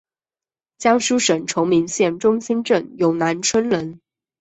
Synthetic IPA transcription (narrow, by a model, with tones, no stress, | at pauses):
t͡ɕjɑ˥ŋʂu˥ʂə˨˩nʈ͡ʂʰʊ˧˥ŋmi˧˥ŋɕjɛ˥˩nʈ͡ʂʊ˥ŋɕi˥nʈ͡ʂə˥˩njo˨˩ʊna˧˥nʈ͡ʂʰwə˥nlə˧˥n